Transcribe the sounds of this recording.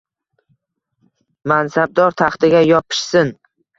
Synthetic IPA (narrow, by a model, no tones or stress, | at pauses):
mansab̚d̪ɒɾt̪ʰaχt̪ɪɡʲajɒpʰɪ̥ʃsɪn